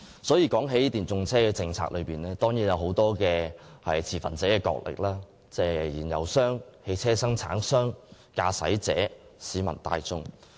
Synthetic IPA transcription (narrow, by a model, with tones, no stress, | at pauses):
sɔː˨˥jiː˧kɔː˨˥ŋɦe˨˥ji˦˥t̪iː˨˩nt͡sʊ˧ŋt͡sʰɛː˥kɛː˧t͡sɪ˧ŋt͡sʰa̰ː˧k̚lɵ˨˧piː˨nlɛː˥t̪ɔː˥ŋjiː˨˥njɐ˨˧wɦo˨˥wt̪ɔː˥kɛː˧hɐ̰˨jt͡sʰiː˨˩fɐ̰˨nt͡sɛː˨˥kɛː˧kɔ̰ː˧k̚lʔɪ̰˨k̚lʔaː˥ | t͡sɛː˧˨˩jiː˨˩njɐ̰˨wsœː˥ŋhe˧˥jt͡sʰɛː˥sɐ˥ŋt͡sʰa̰ː˨˥ŋsœː˥ŋ | kaː˧sɐ̰˨˥jt͡sɛ̰ː˨˥ | siː˨˧mɐ̰˨˩nt̪a̰ː˧jt͡sʊ˥ŋ